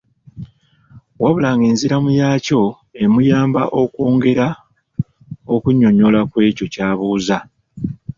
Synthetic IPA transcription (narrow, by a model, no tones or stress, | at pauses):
waβulaːŋɡeːnziɾamujaːco̞ | e̞mujaːmbaʔo̞kwoːŋɡe̞ɾa | okuɲːo̞ɲo̞lakwe̞ːco̞caːβuːza